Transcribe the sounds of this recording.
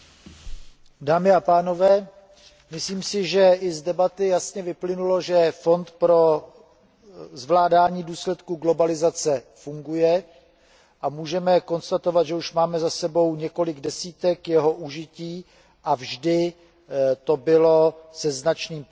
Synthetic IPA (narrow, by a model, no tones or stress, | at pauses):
daːmɪapaːno̞vɛː | mɪsliːmsɪʒɛʔɪzdɛbat̪ɪjasɲɛvɪplɪnulo̞ʒɛfo̞nt̪pɾo̞ | zvlaːdaːɲiːduːslɛt̪kuɡlo̞balɪzat͡sɛfuŋɡujɛ | ʔamuːʒɛmɛko̞nst̪at̪o̞vat̪ʒɛuʃmaːmɛzasɛbo̞wɲɛko̞lɪɡdɛsiːt̪ɛkjɛɦo̞ʔuʒɪciː | ʔavʒdɪ | t̪o̞bɪlo̞sɛznat͡ʃniːm